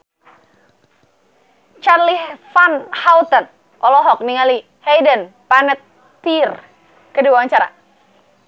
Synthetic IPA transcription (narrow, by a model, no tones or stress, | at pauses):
t͡ʃarlifanhawt̪ən | ʔɔlɔɦɔk̚niŋali | hejdən | panət̪ː | ir | kədibaaɲt͡ʃaɾa̰